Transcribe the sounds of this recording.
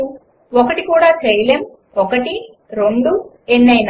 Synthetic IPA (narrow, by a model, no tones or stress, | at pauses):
u | ɔkɐʈikuːɽaːt͡ʃejɐleːm | ɔkɐʈi | ɾeɳɖu | enːɐjn